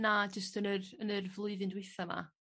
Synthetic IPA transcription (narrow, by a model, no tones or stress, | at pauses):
nad͡ʒəstənərənərvlˠʊɨðɨndwɪθama̰